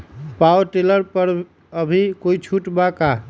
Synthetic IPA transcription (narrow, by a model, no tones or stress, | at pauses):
pawʈeləɾpəɾ | əbʱikoit͡ʃʰuʈbaka